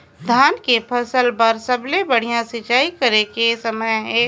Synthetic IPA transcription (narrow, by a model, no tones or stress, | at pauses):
d̪ʱaːnkepʰɐsəlpɐɾsɐblebɐɽ̤ijãsɪt͡ʃaːikɐɾekesɐməjɦɛ̃